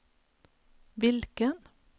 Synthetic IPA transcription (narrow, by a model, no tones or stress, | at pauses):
ʋɪlkən